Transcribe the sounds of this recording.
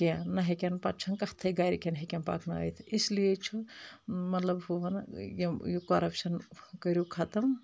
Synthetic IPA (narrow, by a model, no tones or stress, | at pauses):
kenɐɦekʲenpɐt͡ʃʰɐnkɐht̪ʰɐɡaːɾikʲenɦekʲenpa̰ːkʰnɐɐ̰jt̪ʰislijet͡ʃʰu | mɐt̪lɐbɦuʋɐnjjukoɾɐpʃɐnkəɾʲjukʰɐt̪ɐm